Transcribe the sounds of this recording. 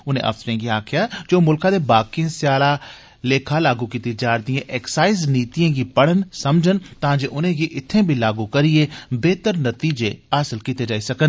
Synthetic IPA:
ʊnḛ̃ʔɐ̰fsɾẽːɡiaːkʰjad͡ʒoːmʊlkãːd̪ebaːkiẽsjaːlaː | leːkʰaːlaːɡukiːt̪id͡ʒaːɾd̪ijãʔɛːksaːɪzniːt̪ijãːɡipəɽ̤ənsɐmd͡ʒənt̪ɐãːd͡ʒeːʔʊnẽːɡiʔɪt̪ʰːẽbʱilaːɡukəɾiebeːt̪əɾnət̪iːd͡ʒeaːsəlkit̪ed͡ʒaːisɐkən

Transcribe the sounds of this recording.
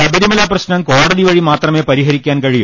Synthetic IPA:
ɐbɐɾimɐlaːprɐɕnɐmkoːɽɐɽiʋɐɻimaːt̪rɐmeːpɐɾiɦɐɾikʲːaːnkɐɻiju

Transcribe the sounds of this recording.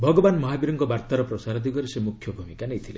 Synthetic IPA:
bʱɔɡɔbanmɔɦabiɾɔŋkɔbaɾt̪aɾɔpɾɔsaɾɔd̪ʱikɔɾesemukʰjɔbʱumikanejt̪ʰile

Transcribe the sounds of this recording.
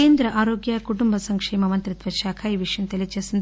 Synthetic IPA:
eːnd̪ɾɐʔaːɾoːɡjɐkuʈumbɐsɐŋkʂeːmɐmɐnt̪ɾit̪ʋɐʃaːkʰaiʋiʂɐnt̪ɐlit͡ʃɐsɐn

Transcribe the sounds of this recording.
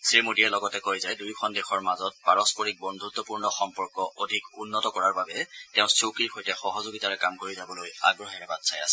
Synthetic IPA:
semodiɛlɔɡɔtɛkojzɛdujkʰɔndɛxʰɔɹmazɔt̚paɹɔspɔɹik̚bɔndʱut̪ːɔpuɹnɔxɔmpɔɹkɔʔodʱikunːɔtɔkɔɹaɹbabɛtɛʊ̃sukiɹxojtɛxɔɦɔzoɡitaɹɛkamkoɹizabɔloja̰ɡɹɔɦɛɹɛbatsʰaja̰sɛ

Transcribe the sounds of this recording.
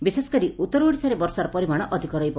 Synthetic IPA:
biseskɔɾiut̪ːɔɾɔuɽisaɾebɔɾsaɾɔpɔɾimaɽ̃ɔʔɔd̪ʱikɔɾɔjbɔ

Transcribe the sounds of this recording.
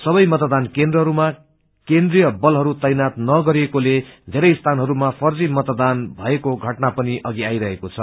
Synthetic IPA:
sʌbʌjmʌt̪d̪ankend̪rʌɦʌɾuma | kend̪rijʌbʌlɦʌɾut̪ʌjnat̪̚nʌɡʌɾiekoled̪ʱeɾʌjst̪ʰanɦʌɾumapʰʌrd͡zimʌt̪d̪anbʱʌekoɡʱʌʈnapʌniʔʌɡiajɾʌɦekot͡sʰʌ

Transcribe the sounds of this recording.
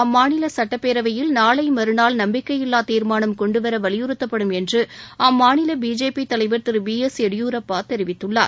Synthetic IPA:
ɐmːaːnɪlɐsɐʈːɐpːeːɾɐʋɐjɪlnaːlɐɪmɐɾɯnaːlnɐmbɪkːɐjɪlːaːt̪iːɾmaːnɐmkɔɳɖɯʋɐɾɐʋɐɭɪjɯɾɯt̪ːɐpːɐɽɯmɛndrɯʔaːmːaːnɪlɐbiːd͡ʒeːpit̪ɐlɐɪʋɐɾt̪ɯɾbiːɛsɛɽɪjuːɾɐpːaːt̪ɛɾɪʋɪt̪ːɯɭːaːɾ

